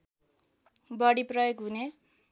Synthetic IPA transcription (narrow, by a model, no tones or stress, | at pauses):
bʌɽiprʌjoɡɦune